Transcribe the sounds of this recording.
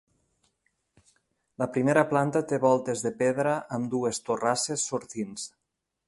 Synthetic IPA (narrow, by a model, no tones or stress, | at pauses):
ləpɾimeɾaplant̪at̪eβɔlˠt̪ezðepeðɾaʔːmd̪uest̪orasesːoɾt̪ins